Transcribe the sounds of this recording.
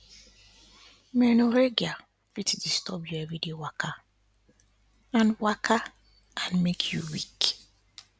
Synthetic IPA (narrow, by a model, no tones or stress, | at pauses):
mɛnoɾeɡia | fitdistɔbjɔɛvidewakʰa | ãnwakʰa | ãnmekʰjuwik